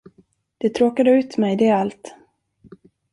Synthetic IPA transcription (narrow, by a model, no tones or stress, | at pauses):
d̪̥ɛt̪ʰɾoːkad̪əʉ̟ːt̪mɛjd̪ɛalt̪